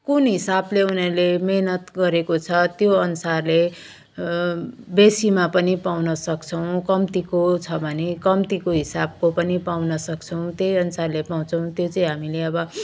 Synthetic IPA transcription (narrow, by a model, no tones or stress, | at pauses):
kunɦisableunʌɾulemeɦnʌt̪ɡʌɾekot͡sʰʌt̪joʌnusarle | besimapʌnipawnʌsʌkt͡sʰʌw̃kʌmt̪ikot͡sʰʌbʱʌnekʌmt̪ikoɦisab̚kopʌnipawnʌsʌk̚t͡sʰʌw̃t̪jejʌnusarlepaw̃t͡sʰʌw̃t̪jot͡sʌĩɦamileʌbʌ